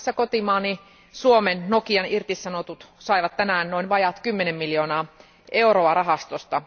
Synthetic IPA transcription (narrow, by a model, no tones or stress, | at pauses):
sːækot̪imɑːni | suomennokiɑnirt̪issɑnot̪ut̪sɑiʋɑt̪tænæːnnoinʋɑjɑt̪kymːenemːiljoːnɑː | ʔeuroɑrɑɦɑst̪ost̪ɑ